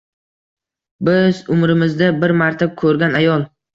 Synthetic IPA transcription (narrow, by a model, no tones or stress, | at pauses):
bɪzʊmɾɪmɪzd̪abɪɾmaɾt̪ʰakʰɵɾɡʲanajɒlˠ